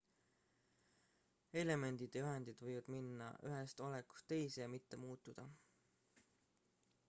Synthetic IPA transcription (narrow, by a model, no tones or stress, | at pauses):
e̞le̞me̞nd̪̥id̪̥ɑjyɦend̪̥id̪̥vɤjvɑd̪̥minːɑ̰ʔyɦe̞st̪o̞leku̥st̪ːe̞jsejɑmit̪ːe̞muːt̪ːˑud̪̥ɑ